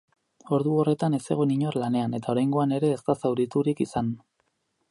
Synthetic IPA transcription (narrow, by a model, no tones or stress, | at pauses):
o̞ɾðuo̞re̞t̪ane̞se̞̰ɣoniɲo̞rlane̞ane̞t̪ao̞ɾajŋɡo̞ane̞ɾe̞ːst̪asawɾit̪uɾikisan